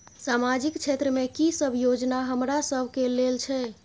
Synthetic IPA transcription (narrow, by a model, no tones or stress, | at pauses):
samad͡ʒikt͡ʃʰet̪ɾəmekisəbʱjod͡ʒnaɦəmɾasəbʱkelelt͡ʃʰɛ